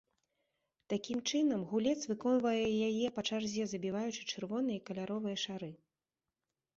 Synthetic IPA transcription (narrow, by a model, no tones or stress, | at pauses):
t̪akʲimt͡ʂɨnɐmɣulʲɛt̪svɨkɔnvɐjɛjajɛpɐt͡ʂarzʲɛzɐbʲivajut͡ʂɨ̥t͡ʂɨrvɔn̪ɨjɐkɐlʲaɾɔvɨjɐʂaɾɨ